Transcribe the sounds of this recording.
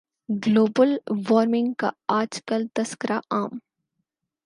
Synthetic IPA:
ɡloːbəlʋɔːɾmɪ̃ŋɡka̰aːd͡ʒkəlt̪ɐskəɾaʔaːm

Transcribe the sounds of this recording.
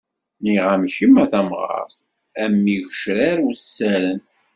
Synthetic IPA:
niʁæmçimæθæmʁɑ̰ɾθ | æmːiʝəʃɾæɾusːæɾən

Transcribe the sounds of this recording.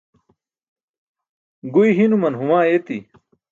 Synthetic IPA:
ɡuiɦinumɐnɦumaːet̪i

